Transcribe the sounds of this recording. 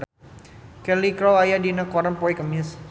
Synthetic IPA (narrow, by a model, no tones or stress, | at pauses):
kɛlikɾɔwajadinəkɔɾənpɔikəmis